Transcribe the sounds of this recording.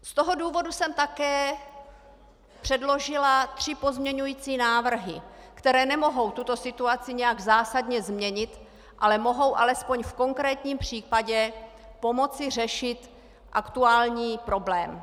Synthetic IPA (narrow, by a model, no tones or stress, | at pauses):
st̪oɦo̞duːvo̞dusɛmt̪akɛː | pr̝̥ɛdlo̞ʒɪlat̪r̝̥ɪpo̞zmɲɛɲujiːt͡siːnaːvr̩ɦɪ̰ | kt̪ɛɾɛːnɛmo̞ɦo̞wt̪ut̪o̞sɪt̪uat͡sɪɲɛjaɡzaːsadɲɛzmɲɛɲɪt̪ | ʔalɛmo̞ɦo̞wʔalɛspo̞ɲfko̞ŋkɾɛːt̪ɲiːmpr̝̥iːpaɟɛ | po̞mo̞t͡sɪr̝ɛʃɪt̪ | ʔakt̪uaːlɲiːpɾo̞blɛːm